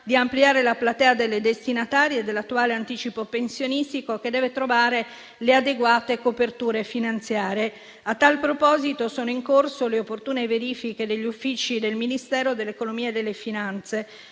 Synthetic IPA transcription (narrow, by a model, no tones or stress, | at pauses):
d̪iampliaːɾelaplat̪ɛːad̪elːed̪est̪inat̪aːɾjed̪ːelːat̪ːuaːleant̪iːt͡ʃipopensjonist̪ikok̟ed̪ːɛːvet̪ɾovaːɾe | lead̪eɡwaːt̪ekopert̪uːɾefinant̪sjaːɾe | at̪ːalpɾopɔːzit̪osoːnoiŋkorsoleopːort̪uːneveɾiːfik̟ed̪eʎːufːiːt͡ʃid̪elminist̪ɛːɾod̪elːekonomiːed̪elːefinant̪se